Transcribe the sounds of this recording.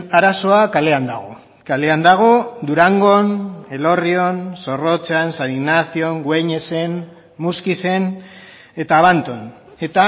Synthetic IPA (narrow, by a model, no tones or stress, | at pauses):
aɾaso̞akale̞and̪aɣ̞o̞ | kale̞and̪aɣ̞o̞d̪uɾaŋɡo̞ne̞lo̞rio̞nso̞ro̞t͡sansaniɣnaθio̞ŋɡweɲe̞se̞n | muskise̞n | e̞t̪aːβant̪o̞n | e̞t̪a